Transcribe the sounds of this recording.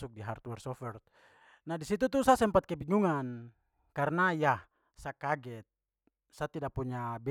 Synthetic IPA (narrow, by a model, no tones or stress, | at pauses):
suk̚diɦart̪wɛrsɔfɛr | nadisit̪̬ut̪usasɛmpat̪̚kɛbiŋuŋan | karnajah | sakaɡɛt̪̚ | sat̪idapuɲabɛ